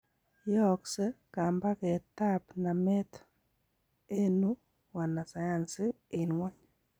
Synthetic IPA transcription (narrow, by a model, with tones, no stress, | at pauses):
jɔ˦ksɛ˦ka˨mba˦kɛ˨ta˦pna˨mɛ˦t̪ | e˦nu˦ | wa˨na˨sa˨ja˨nsɪ˦ | ɪ˨nwa˦ɲ